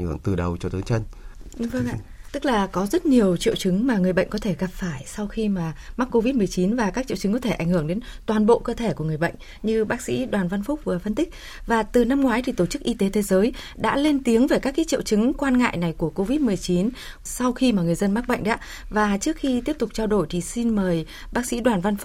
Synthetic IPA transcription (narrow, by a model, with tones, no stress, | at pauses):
ŋɨ˧˩əŋt̪ɨ˨˩ɗə˨˩wt͡ɕɔ˧t̪ɨ˨˦t͡ɕə˧jŋɗɨ˨˧˦ŋvə˧ŋʔa̰ː˧˨t̪ɨ˦˥k̚laː˨˩kɔ˨˦zə˦˥t̚ɲi˨˩əwt͡ɕḭ˧˨əwt͡ɕɨ˨˦ŋmaː˨˩ŋɨ˨˩əjɓə̰˧˨jŋ̟kɔ˨˦t̪ʰe˧˩ɣa˨˩p̚faː˧˩jsa˧wxi˧maː˨˩ma˦˥k̚kːo˧vi˦˥t̚mɨ˨˩əjt͡ɕi˨˦nvaː˨˩kaː˦˥k̚t͡ɕḭ˧˨t͡ɕɨ˨˦ŋkɔ˨˦t̪ʰe˧˩ʔa˧˩jŋ̟hɨ˧˩əŋɗe˨˦nt̪waː˨˩nɓo̰˧˨kəː˧t̪ʰe˧˩ku˧˩əŋɨ˨˩əjɓə̰˧˨jŋ̟ | ɲɨ˧ɓaː˦˥k̚sḭ˧˥ɗwaː˨˩nva˧nfʊ˦˥k͡p̚vɨː˨˩fə˧nt̪ï˦˥k̟̚ | vaː˨˩t̪ɨ˨˩na˧mŋwaː˨˦jt̪ʰi˨˩t̪o˧˩t͡ɕɨ˦˥k̚ʔi˧t̪e˨˦t̪ʰe˨˦zəː˨˦jɗa̰ː˧˥le˧nt̪i˨˦əŋveː˧˩kaː˦˥kːa̰ː˧˥t͡ɕḭ˧˨wt͡ɕɨ˨˦ŋkwaː˧nŋa̰ː˧˨jna˨˩jku˧˩əko˧vi˦˥t̚mɨ˨˩əjt͡ɕi˨˦n | sa˧wxi˧maː˨˩ŋɨ˨˩əjzə˧nma˦˥k̚ɓə̰˧˨jŋ̟ɗa̰ː˧˥ | vaː˨˩t͡ɕɨ˦˥ək̚xi˧t̪i˦˥əp̚t̪ʊ˨˩k͡p̚t͡ɕaː˧wɗo˧˩jt̪ʰi˨˩si˧nməː˨˩j | ɓaː˦˥k̚sḭ˧˥ɗwaː˨˩nva˧nfʊ˦˥